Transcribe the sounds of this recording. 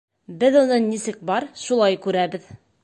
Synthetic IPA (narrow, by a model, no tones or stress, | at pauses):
bɘðunɤnisɘk̚bɑɾʃulˠɑjkʉɾæbɘð